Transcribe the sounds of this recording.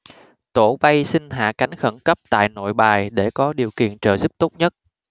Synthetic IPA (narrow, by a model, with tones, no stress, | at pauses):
t̪o˧˩ɓa˧jsï˧ŋɦa̰ː˧˨ka˨˦jŋ̟xə˧˩nkə˦˥p̚t̪a̰ː˧˨jno̰˧˨jɓaː˨˩jɗe˧˩kɔ˨˦ɗi˨˩əwkḭ˧˨ənt͡ɕəː˧˨zu˦˥p̚t̪o˦˥t̚ɲə˦˥t̚